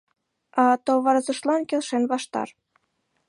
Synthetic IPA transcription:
ɑt̪oβɑɾɤzɤ̆ʃlˠɑnkʲĕlˠʃenβɑʃt̪ɑ̰r

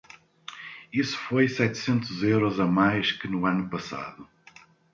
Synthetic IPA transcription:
isu̥fojsɛt̪sẽnt̪uzewɾɔzɐmajʃkɨnuanupɐsa̰ðu

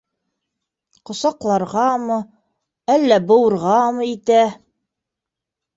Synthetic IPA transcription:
qŏsɑqlˠɑɾʁɑmɤ | ælːæbɤ̆wɤ̆ɾʁɑmɤ̆it̪æ

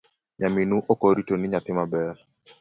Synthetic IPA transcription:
ɲaminuʔokoɾitonɪɲat̪ɪmabɛɾ

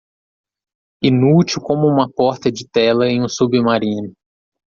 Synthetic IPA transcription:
inut͡ʃiwkõmʊũmɐpɔɾt̪ɐd͡ʒɪt̪ɛlɐẽj̃ũsubɪmaɾĩnʊ

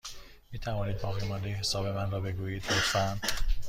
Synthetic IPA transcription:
miːt̪ʰævɒːniːd̪̚bɒːɣiːmɒnd̪ejhesɒːbe̞mænrɒːbe̞ɡuːjiːd̪ɡofæn

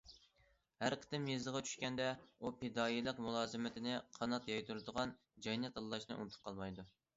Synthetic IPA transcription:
hæɾqʰə̥t̪ɨmjezəʁɑt͡ʃʰy̥ʃkʲɛnd̪ɛupʰɪd̪ɑːilˠəqmulˠɑːzɨmɪt̪ʰɪnɪqʰɑnɑt̪jɑjt̪ʰuɾɨd̪əʁɑn | d͡ʒɑjnɛt̪ɑlːˠɑʃnɨ̰ʔṵnt̪ʰʊ̥p̚qʰɑlˠmɑjd̪u

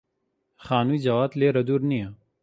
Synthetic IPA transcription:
xaːnuːjd͡ʒɐwaːt̪leːɾɐd̪uːɾnija

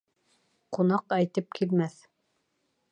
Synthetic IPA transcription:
qunɑqæjt̪ɤp̚kʰilmæθ

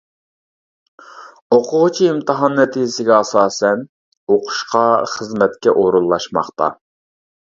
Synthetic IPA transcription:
oqʰʊʁt͡ʃʰiɪmt̪ʰɨɦɑnːɛt̪ʰid͡ʒɪsɪɡʲɛɑsɑːsɛn | oqʰʊ̥ʃqɑχəzmɛt̪kʲɛʔoɾulˠːɑʃmɑ̰χt̪ɑ̰

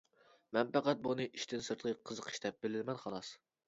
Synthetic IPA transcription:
mɛnpæqæt̪̚bunɨʔiʃt̪ʰɪnsɨɾt̪ʰʁəqʰəzəqʰə̥ʃt̪ɛp̚bɪlɪlmɛnχɑlˠɑs

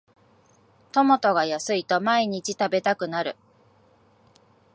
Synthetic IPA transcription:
t̪o̞mo̞t̪o̞ɡajasɨit̪o̞maiɲ̟it͡ɕit̪abe̞t̪akɯ̟naɾɯ̟

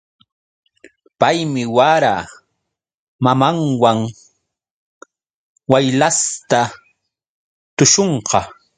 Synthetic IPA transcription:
pajmɪwaɾa | mamaŋwaŋ | wajlast̪a | t̪ʊʃoɴqɑ

